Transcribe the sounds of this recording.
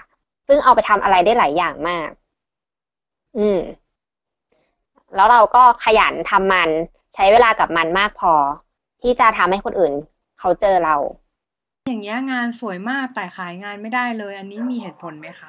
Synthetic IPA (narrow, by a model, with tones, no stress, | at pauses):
sɯ˥˩ŋʔa˧wpa˧jt̪ʰa˧mʔa˧ɾa˧jdaː˥˩jlaː˩˦jːaː˨˩ŋmaː˥˩k̚ | ʔɯː˧m | lɛː˦˥wɾa˧wkɔː˥˩kʰa˧ja̰˩˦nt̪ʰa˧mːa˧n | t͡ɕʰa˦˥jweː˧laː˧ka˨˩p̚ma˧nmaː˥˩k̚pʰɔː˧ | t̪ʰiː˥˩t͡ɕa˨˩t̪ʰa˧mha˥˩jkʰo˧nʔɯː˨˩n | kʰa˦˥wt͡ɕɤː˧ɾa˧w | jaː˨˩ŋːni˦˥ɐŋaː˧nsu˨˩˦əjmaː˥˩k̚t̪aː˨˩jxʰaː˩˦jŋaː˧nma˥˩jdaː˥˩jlɤː˧jʔa˧nːiː˦˥miː˧ɦeː˨˩t̪̚pʰo˨˩˦nma˦˥jxʰa˦˥˩